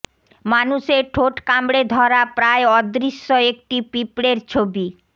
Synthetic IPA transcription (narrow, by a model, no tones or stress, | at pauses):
manuʃeʈʰoʈkamɽed̪ʱɔɾapɾaeɔd̪ɾiʃːɔek̚ʈipipɽeɾt͡ɕʰobi